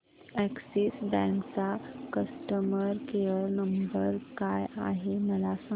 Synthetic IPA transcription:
æksisbɛ̃ŋkt͡sakəsʈəməɾkejəɾnəmbəɾkaja̰ɦeməlasa

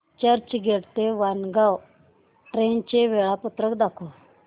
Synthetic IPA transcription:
t͡ɕəɾt͡ɕɡʱeɽt̪eʋanɡaw | ʈɾent͡ɕeʋeɭaput̪ɾəkd̪akʰo

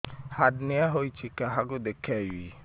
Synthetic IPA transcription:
hadnɪaɦoit͡ʃikaɦaɡʊdekʰɛji

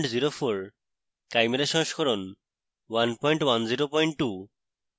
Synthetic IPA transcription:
ɳʈziɾofʰoɾ | kajmeɾaʃɔŋʃkʰɔɾɔn | wanpɔjɳʈwanziɾopɔjɳʈʈːu

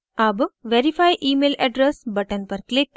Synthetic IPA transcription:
ɐbʋeɾifʰajʔiːmeːlɛɖɾesbɐʈɐnpɐɾklik̚

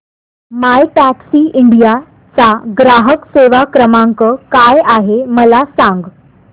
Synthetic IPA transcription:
majʈæksiːʔiɳɖija | t͡saɡɾaɦəkseʋakɾəmaŋkəkajaɦeməlasãŋɡ

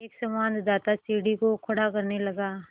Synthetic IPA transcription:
eːksɐmaːnd̪d̪aːt̪asiːɖikokʰɐɽakɐɾnelɐɡaː

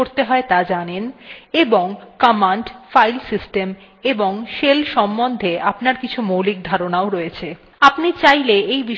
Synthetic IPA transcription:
oɾt̪eɦɔet̪ad͡ʑaneneboŋkɔmanɖfajlsisʈem | eboŋʃelʃɔmbond̪ʱeapnaɾkit͡ɕʰumowlik̚d̪ʱaɾonaoɾɔet͡ɕʰe | apnit͡ɕajleejbi

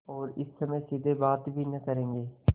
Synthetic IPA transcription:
ɔːɾɪsːɐməjsid̪ʱebaːt̪bʱinɐkəɾẽːŋɡeː

